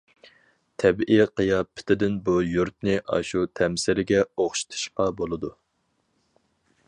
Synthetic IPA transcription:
t̪ʰɛbʔiqɨjɑpʰːɪ̥t̪ʰɪd̪ɪnbujuɾt̪̚nɪʔɑ̰ʃut̪ʰɛmsɪɾɪɡʲɛoχʃt̪ʰu̥ʃqɑbolˠɨd̪u

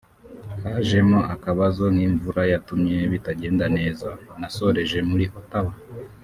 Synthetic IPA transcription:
haʒe̞moakaβazo̞ŋ̥hiːɱvuɾajatumɲe̞βitaɟe̞ːndane̞ːzanaso̞ɾe̞ʒe̞muɾiʔotawa

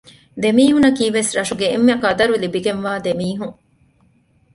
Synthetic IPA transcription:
d̪emiːɦunɐkiːʋesɾɐʃuɡeːmːɐkɐd̪ɐɾulibiɡenʋaːd̪emiːɦuŋ

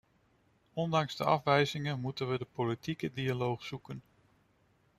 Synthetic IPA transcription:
ɔndɑŋz̥dəɑ̰fʋɛjzɪŋənmutənʋədəpolitikədialowχz̥ukən

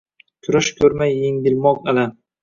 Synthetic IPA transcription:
kʲʰʊɾaʃkʲʰɵɾmajːeŋdʲɪlmɒqela

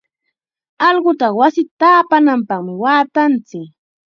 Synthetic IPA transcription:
ɑʎɢʊt̪ɑχwasɪt̪aːpanampɑχmɪwaːt̪ant͡sɪk

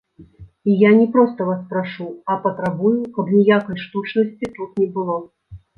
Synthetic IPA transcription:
ijanʲɛpɾɔst̪ɐvaspɾaʂuɐpɐt̪ɾabujukɐbnʲijakɐjʂt̪ut͡ʂnɐsʲt͡sʲit̪ut̪nʲɛbɨlˠɔ

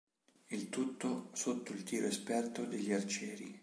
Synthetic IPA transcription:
ilt̪ut̪ːosot̪ːoilt̪iːɾoespɛrt̪od̪eʎːiart͡ʃɛːɾḭ

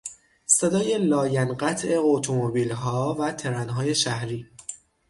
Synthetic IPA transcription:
se̞d̪ɒːje̞lɒːjænɢæt̪ʰʔe̞ot̪ʰomobiːlɦɒːvæt̪ʰe̞ɾænɦɒːje̞ʃæhɾiː

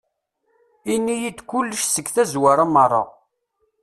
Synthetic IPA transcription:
inːijid̪kulːəʃsəɡθæzwaɾamːərˤːɑ̰

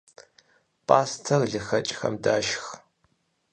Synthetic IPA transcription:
pʼaːstʰɐrɮɨxɐt͡ʃʼxɐ̰mdaːʃx

